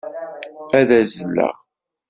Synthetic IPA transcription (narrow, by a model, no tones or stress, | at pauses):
æðæzəlːæ̰ʁ